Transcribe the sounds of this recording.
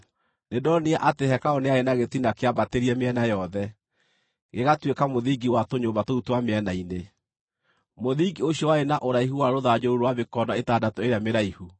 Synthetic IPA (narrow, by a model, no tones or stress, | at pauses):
nedɔneaʔateɦɛkaoneaenaɣetinakeabateɾiɛmeɛnajɔðɛ | ɣeɣatwekamoðiɡiwatoɲoːmbatoutwameɛnaine | moðiɡioɕjɔwaenaʔoɾaiɦuwaɾoðad͡ʑouɾwaβekɔnaetaːdatɔeɾeameɾaihu